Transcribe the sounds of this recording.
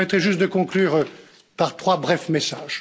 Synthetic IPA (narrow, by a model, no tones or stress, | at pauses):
mɛt̪χɛʒyst̪̚d̪əkɔ̃klyːʁ | paʁt̪χwabʁɛfmesaːʒ̥